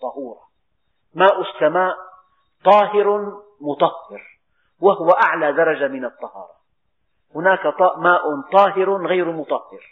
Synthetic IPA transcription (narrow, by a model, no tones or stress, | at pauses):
t̪ˤɑhuːɾˤɑ | maːʔʊsːamaːʔ | t̪ˤɑːɦɪɾ | mʊt̪ˤɑhːɪɾ | wahʊwaʔaʕlaːd̪ɑɾˤɑd͡ʒamɪnɑt̪ˤːɑhɑ̰ːɾˤɑ | hʊnaːkaˤɑmaːʔʊt̪ˤɑːɦɪɾɣajɾmʊt̪ˤɑhːɪɾ